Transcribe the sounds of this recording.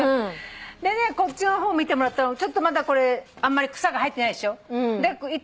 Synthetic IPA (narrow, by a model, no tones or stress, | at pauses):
d̪e̞ne̞ko̞tt͡ɕino̞ɦoːmʲit̪emo̞ɾat̪ːanot͡ɕo̞t̪ːomad̪ako̞ɾe̞amːaɾʲikɯ̥saɡaɦait̪ːeaid̪eɕo̞d̪e̞i